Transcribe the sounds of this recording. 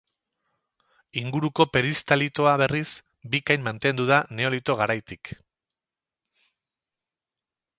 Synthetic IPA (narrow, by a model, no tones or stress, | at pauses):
iŋɡuɾuko̞pe̞ɾist̪alit̪o̞aβe̞ris | bikajmmːant̪e̞nd̪uðane̞o̞lit̪o̞ɣ̞aɾajt̪ik